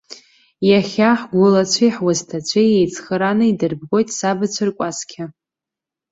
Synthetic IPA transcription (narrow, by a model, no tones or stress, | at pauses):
jaχʲaħɡʷʊlat͡ɕʷʰijħwaztʰat͡ɕʷʰejejt͡sʰʼχəɾanɨidɨrb̚ɡo̞jtʼsabɨt͡sʷʰɨrkʷʼaskʲʰa